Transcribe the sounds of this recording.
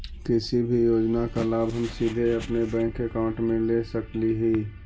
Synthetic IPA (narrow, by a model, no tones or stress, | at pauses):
k̪ɪsibʱijoːd͡ʒnakalaːbɦɐmsid̪ʱeɐpnebɛ̃ːŋkekaʊ̃ɳʈmẽlesəkliɦiː